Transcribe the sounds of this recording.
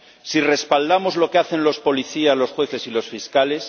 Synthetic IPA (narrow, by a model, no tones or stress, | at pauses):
sire̞spald̪amo̞zlo̞keaθe̞nlo̞spo̞liθiazlo̞sxwe̞θe̞silo̞sfiskale̞s